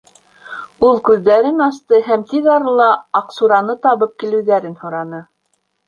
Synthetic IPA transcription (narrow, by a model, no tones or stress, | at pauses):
ulˠkʉðːæɾɘnɑst̪ɤɦæmt̪iðɑɾɤlˠɑːqsuɾɑnɤt̪ɑβɤp̚kilɘ̆wðæɾɘnhŏɾɑnɤ